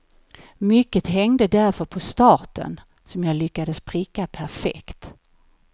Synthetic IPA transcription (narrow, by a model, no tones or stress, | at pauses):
mʏkːət̪ɦɛŋd̪əd̪æɾfœɾpʰɔst̪ɑːʈə̰n | sɔmjɑːlʏkːad̪əspʰɾɪkːapʰæɾfɛ̰kt̪